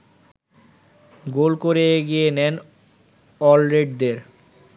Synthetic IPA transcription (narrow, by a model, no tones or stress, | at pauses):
ɡolkoɾeɡijenɛn | ɔlɾeɖd̪eɾ